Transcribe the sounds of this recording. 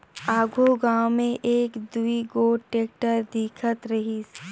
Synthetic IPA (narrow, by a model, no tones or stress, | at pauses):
aːɡʱoɡaːwmẽʔeːkd̪uiɡoːʈeːk̚ʈəɾd̪iːkʰət̪ɾɐɦis